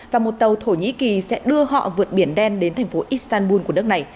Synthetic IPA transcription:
vaː˨˩mo˨˩t̚t̪ə˨˩wt̪ʰo˧˩ɲḭ˧˥ki˨˩sɛ̰˧˥ɗɨ˧əhɔ̰˧˨vɨ˨˩ət̚ɓi˧˩ənɗɛ˧nɗe˨˦nt̪ʰjŋ̟fo˨˦ʔi˦˥st̪aː˧nɓu˧nku˧˩ən˦˥k̚na˨˩j

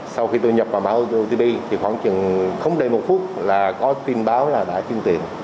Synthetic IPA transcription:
sa˧wxi˧t̪o˧jɲə˨˩p̚vaː˨˩wma̰ː˧˩˦ʔo˧t̪i˧ɓi˧t̪ʰi˨˩xwa̰ː˧˩ŋt͡ɕɨ˨˩əŋxə˧wŋ͡mɗə˨˩jmo˨˩t̚fu˦˥ət̚laː˨˩kɔ˨˦t̪wi˧nɓaː˨˦wlaː˨˩ɗa̰ː˧˩t͡ɕɨ˧əŋt̪ḭ˨˩ən

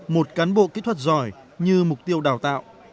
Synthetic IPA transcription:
mo˨˩t̚kaː˨˦nɓo̰˧˨ki˦˥t̪ʰwə˧˩t̚zɔ˧˩j | ɲɨ˧mʊ˨˩k͡p̚t̪i˧əwɗaː˧˩wt̪a̰ː˧˨wʔ

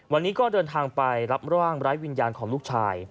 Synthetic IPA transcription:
wa˧nːiː˦˥kɔː˥˩dɤː˧nt̪ʰaː˧ŋpa˧jɾa˦˥p̚ɾa˦waː˥˩ŋɾaː˦˥jwi˧njaː˧nkʰɔː˩˦ŋluː˥˩k̚t͡ɕʰaː˧j

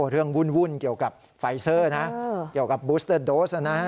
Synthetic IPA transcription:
ɾɯ˥˩əŋwu˥˩nwu˥˩nki˨˩əwka˨˩p̚ | fa˧˩jsɤː˥˧˥na˦˥i˨˩əwka˨˩p̚buː˦˥st̪ʰɤ˥˩doː˦˥sʔa˧˩na˦˥

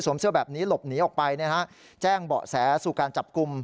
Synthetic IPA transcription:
su˩˦msɯ˥˩bɛː˨˩p̚niː˦˥lo˨˩p̚niː˩˦ʔɔː˨˩k̚pa˧jni˥˩əta˦˥ʔ | t͡ɕɛː˥˩ŋbɔ̰ː˨˩sɛː˩˦suː˨˩kaː˧nt͡ɕa˨˩p̚ku˧m

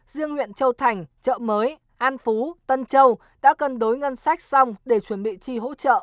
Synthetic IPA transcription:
zɨ˧əŋhwḭ˧˨ənt͡ɕə˧wt̪ʰa˨˩jŋ̟t͡ɕə̰ː˧˨məː˨˦j | ʔaː˧nfu˨˦t̪ə˧nt͡ɕə˧w | ɗa̰ː˧˥kə˨˧nɗo˨˦jŋə˧nsa˦˥jk̟̚sa˧wŋ͡mɗe˧˩t͡ɕwə˧˩nɓḭ˧˨t͡ɕi˧ɦo̰˧˥t͡ɕə̰ː˧˨ʔ

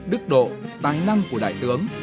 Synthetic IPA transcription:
ɗɨ˦˥k̚ɗo̰˧˨t̪aː˨˦jna˧ŋku˧˩əɗa̰ː˧˨jt̪ɨ˨˦əŋ

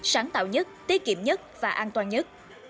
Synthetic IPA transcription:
saː˨˦ŋt̪a̰ː˧˨wɲə˦˥t̚t̪i˦˥ət̚kḭ˧˨əmɲə˦˥t̚vaː˨˩ʔaː˧nt̪waː˧nɲə˦˥t̚

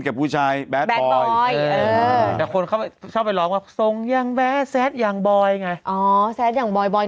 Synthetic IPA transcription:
kɛː˨˩pʰuː˥˩t͡ɕʰaː˧jbɛː˦˥bɛː˦˥bɔː˧jːt̪ɛː˨˩kʰo˧nkʰa˥˩wpa˨˩jt͡ɕʰɔː˥˩p̚ːa˨jlɔː˦ŋkaː˧˩so˧ŋjaː˧ŋbɛː˦˥sɛː˦˥t̪̚jaː˨˩ŋbɔː˧jŋa˧jʔɔː˩˦sɛː˦˥t̪̚jaː˨˩ŋbɔː˧jbɔː˧

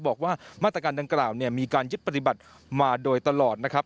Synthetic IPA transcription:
bɔː˨˩k̚waː˥˩maː˥˩t̪ɾa˧kaː˧nda˧ŋklaː˨˩wni˥˩əmiː˧kaː˧nju˦˥t̪̚pa˧t̪i˨˩ba˨˩t̪̚ | maː˧doː˧jt̪a˧lɔː˨˩t̪̚na˦˥kʰɾa˦˥p̚

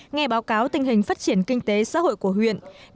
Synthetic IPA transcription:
ŋɛ˧ɓaː˨˦wkaː˨˦wt̪ï˨˩ŋ̟ɦï˨˩ŋ̟faː˦˥t̚t͡ɕi˧˩ənkï˧ŋ̟t̪e˨˦sa̰ː˧˥ho̰˧˨jku˧˩əhwḭ˧˨ən

